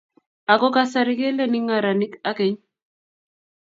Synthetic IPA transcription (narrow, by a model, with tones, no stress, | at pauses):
a˨ko˦ka˦sa˨ɾi˦ke˦le˦ni˦ŋa˨ɾa˨ni˦ka˦ke˦ɲ